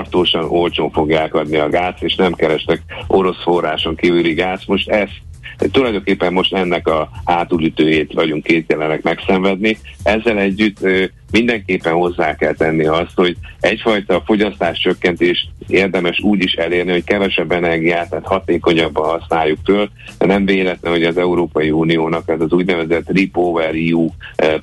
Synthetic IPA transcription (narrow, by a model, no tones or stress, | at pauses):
rt̪oːʃɒnolt͡ʃoːɱfo̞ɡjaːkɒd̪niɒɡaːseːʃnɛmkɛɾɛʃt̪ɛko̞ɾo̞sfo̞rːaːʃo̞ŋkiːvyliɡaːsmo̞ʃt̪ɛz | t̪ulɒjd̪o̞ŋkeːpːɛmːo̞ʃt̪ɛnːɛkɒhaːt̪ulyt̪øːjeːt̪ʋɒɟuŋkːeːt̪̚jɛlɛnɛkmɛksɛɱvɛd̪̚niɛzːɛlɛɟːyt̪ːø | mind̪ɛŋkeːpːɛnho̞zːaːkɛlt̪ɛnːiɒst̪ho̞ɟɛcfɒjt̪ɒfo̞ɟɒst̪aːʃt͡ʃø̞kːɛnt̪eːʃt̪eːrd̪ɛmɛʃuːɟiʃɛleːrniɦo̞ckɛvɛʃɛbːɛnɛrɡijaːt̪ːaːt̪hɒt̪eːko̞ɲɒbːɒnhɒsnaːjːukføːl | nɛɱveːlɛt̪nɛɦo̞ɟɒzɛuɾoːpɒjiuːnijoːnɒkɛzɒzuːɟnɛvɛzɛt̪ːripovɛriu